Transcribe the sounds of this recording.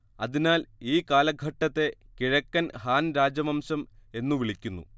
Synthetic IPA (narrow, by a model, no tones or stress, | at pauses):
ɐðinaːliːkaːlɐɡʱɐʈːɐt̪ːe̞kiɻɐkːɐnhaːnɾaːd͡ʑɐmɐmɕɐme̞nːuʋiɭikʲːunːṵ